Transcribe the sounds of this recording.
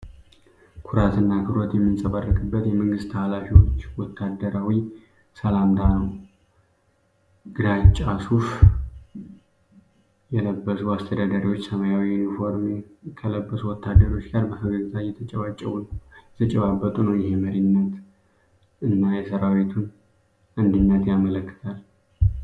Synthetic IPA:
kʰuɾat̪ʰɨnːakʰɨɾot̪jɛmːɨnsʼəβarːəkʼɨbːət̪jɛməŋɡɨst̪ʰːalafiwot͡ʃt͡ʃːwɔt̪ʰːad̪əɾawi | səlamd̪anəw | ɡ̥ɨd̪at͡ʃʼːasuf | jɛləbːəsuast̪ʰəd̪ad̪aɾiwot͡ʃːsəmajawinifo̞ɾmikʰələbːəsuwɔt̪ʰːad̪əɾo̞t͡ʃːɡaɾbəfəɡəzɨt̪ʼajːɛt̪ʰət͡ʃʼɛβat͡ʃʼːɛwnjɛt̪ʰət͡ʃʼɛβabːət̪ʼunəwjɪɦeməɾinːət̪ | ɨnːajɛsəɾawit̪ʰun | ʔɨnd̪ɨnːət̪jamələkːɨ̥t̪ʰal

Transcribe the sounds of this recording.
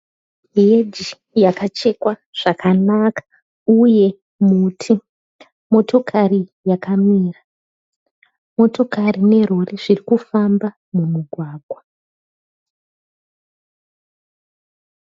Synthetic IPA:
jed͡ʒi | jakat͡ʃe̞kwaʐ̥akʰanakḁ | uje̞ | mutʰi | mo̞tʰo̞kʰarijakamiːra | mo̞to̞karine̞roreʐirikufamba | mumuɡʱwaːɡʱwa

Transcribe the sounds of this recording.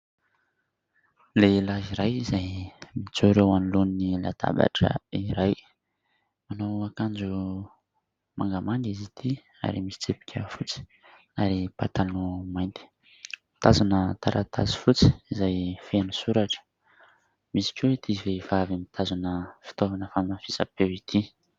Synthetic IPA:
lelaziɾajizajmit͡suɾewanlunnila̰d̪a̰ba̰ʈ͡ʂə̰iɾaj | manowakand͡ʒu | ma̰ŋɡamaŋɡizit̪ʰi | a̰ɾimisi̥t͡sepi̥kʲʰəfut͡si̥ | aɾipa̰t̪alumajnt̪i̥ | mi̥t̪azanət̪aɾʔat̪ʰa̰zi̥fut͡si̥izajfenusuɾaʈ͡ʂə̥ | misi̥kʲeit̪ʰiveivavimit̪ʰazanəfi̥t̪ovanəfaninafisa̰pewit̪ʰi

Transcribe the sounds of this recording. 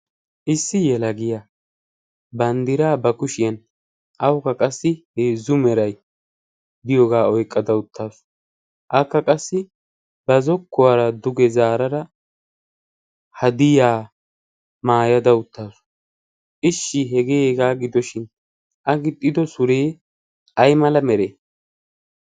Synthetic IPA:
ʔɪsːɪjɛlɐɡɪja | bɐnd̪ɪɾaːbɐkʊʃɪjɐn | ʔɐwkːɐkʼɐsːɪheːzːʊmɛɾɐj | d̪ɪjoːɡaːɔjkʼːɐd̪ɐʊt̪ːaːsʊ̥ | ʔɐkːɐkʼɐsːɪ | bɐzɔkːʊwaːɾɐd̪ʊɡɛzaːɾɐɾɐ | hɐd̪ɪjaː | maːjɐd̪ɐʊt̪ːaːsʊ̥ | ʔɪʃːɪɦɛɡeːɡaːɡɪd̪ɔʃɪn | ʔɐɡɪt̪ʼːɪd̪ɔsʊɾeː | ʔɐjmɐlɐmɛɾeː

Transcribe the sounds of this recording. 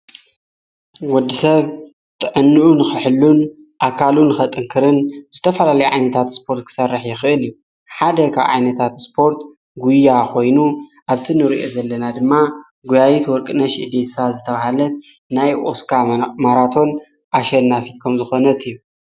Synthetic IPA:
wɔd̪ːisɐβ | t̪ʰʼɨʕɨnːɨʔunɨxɨħɨlːun | ʔakʰalunːɨxɐt̪ʼɨŋkʰɨɾɨnz̥ɨt̪ʰɐfɐlalɐjʕajnɐt̪ʰat̪spʰo̞ɾt̪̚kʰɨ̥sɐrːɨħjɪxɨʔɨliju | ħad̪ɐkʰa̰βʕa̰jnɐt̪ʰat̪spʰo̞ɾt̪ | ɡujaxo̞jnuʔaβt̪ʰinɨɾiʔo̞zɐlːɐnad̪ɨmːa | ɡujajit̪wɔɾkʼɨnɐʃɨd̪esazɨt̪ʰɐβahalɐt̪̚ | najʔo̰skʰamaɾat̪ʰo̞n | ʔaʃɐnːafit̪kʰɐmzɨxo̞nɐt̪ʰʼijːu

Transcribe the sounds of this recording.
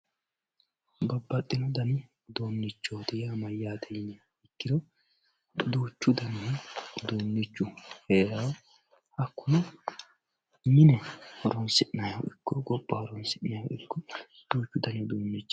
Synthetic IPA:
bɐbːɐt̪ʼːɪnɔd̪ɐnɪ | d̪oːnːɪt͡ʃːo̞ːt̪ɪjɐmɐjːaːd̪ɛjɪnɛ | ɪkːɪd̪ɔ | d̪uːt͡ʃːʊd̪ɐnid̪oːnːɪt͡ʃːʊheːɾɐw | hɐkːʊnɐ | nɪnɛhɔɾɔnsɪʔɪnɐjɔ̰ʔɪkːɔɡɔpʼːɐhɔɾɔnsɪʔnɐjo̰ɪkːɔ | d̪̥uːt͡ʃːʊd̪ɐnɛd̪oːnːɪt͡ʃː

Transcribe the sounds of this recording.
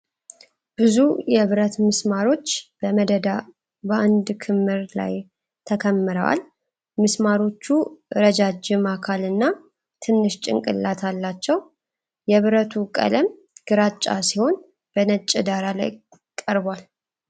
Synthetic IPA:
b̥ɨzujɛβɾət̪mɨsmaɾo̞t͡ʃːb̥əməd̪əd̪a | bəand̪kʰɨmːɨɾla̰j | t̪ʰəkʰəmːɨɾə̰wa̰l | mɨsmaɾo̞t͡ʃːuɨɾəd͡ʒad͡ʒɪmakʰalɨnːa | t̪ʰɨnːɨʃt͡ʃʼɪ̰ŋkʼɨ̰lːat̪ʰalːat͡ʃːɛw | jɛβɾət̪ʰukʼə̰ləm | ɡ̥ɨɾat͡ʃʼːa̰siho̞n | b̥ənət͡ʃʼːɪd̪aɾala̰j | kʼəɾbal

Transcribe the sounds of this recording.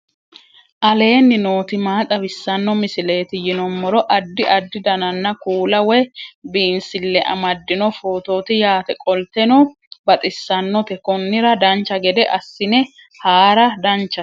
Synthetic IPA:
ʔɐle̞ːnːɪno̞ːt̪ɪmaːt̪ʼɐbɪsːɐnːɔmɪsɪle̞ːt̪ɪjɪnɔmːɔɾɔʔɐd̪ːɪʔɐd̪ːɪd̪ɐnɐnːɐkuːlɐwɛjbiːnsɪlːɛʔɐ̰mɐd̪ːɪnɔfoːt̪o̞ːt̪ɪjaːt̪ɛkʼɔlt̪ɛnɔ | bɐt̪ʼɪsːɐnːɔt̪ɛkɔnːɪɾɐd̪ɐnt͡ʃːɐɡɛd̪ɛʔɐsːɪnɛ | haːɾɐd̪ɐnt͡ʃːɐ

